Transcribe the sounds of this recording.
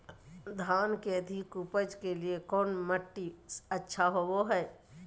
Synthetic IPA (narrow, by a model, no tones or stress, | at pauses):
d̪ʱaːnkeəd̪ʱɪkupəd͡ʒkeliekɔːnməʈːiətːʃʰaɦoboɦɛː